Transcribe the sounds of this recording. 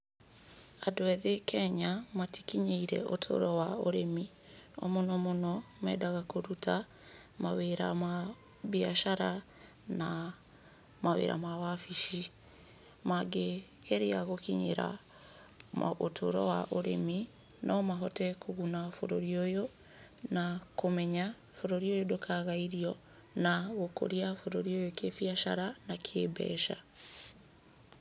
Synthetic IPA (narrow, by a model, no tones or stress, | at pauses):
adwɛðekɛɲamatikiɲeiɾɛ̰ʔotʰo̰ɾɔwaoɾemi | ɔ̰monɔmonɔmɛdaɣakoɾutʰa | maweɾa̰ma | βiaʃaɾa | na | mawḛːɾa̰mawafiʃi | maɡe | ɣɛɾeaɣokiɲḛɾa̰ | ʔotʰo̰ɾɔ̰waʔoɾḛmi | nʔɔmaɦɔtɛkoɣunafoɾoɾiojo | nakomɛɲa | foɾoɾiojodokʰaɣaiɾiɔ | naɣoko̰ɾiafoɾoɾiojokefiaʃa̰ɾanakʰeːbɛ̰ʃa̰